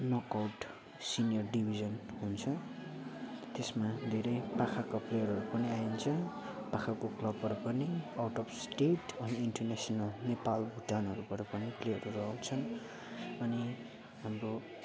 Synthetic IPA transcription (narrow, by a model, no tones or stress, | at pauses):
nʌkawʈ | sinijʌrɖibʱid͡zʌnɦunt͡sʰʌ | t̪esmad̪ʱeɾʌjpakʰakaplejʌɾɦʌɾupʌniaint͡sʰʌ | pakʰakoklʌbʱʌɾʌpʌniawʈʌbsʈeʈʌniiɳʈʌrnasʌnʌlnepalbʱuʈːanɦʌɾupʌɾʌpʌniplejʌɾurʌɦawt͡sʰʌn | ʌni | ɦamro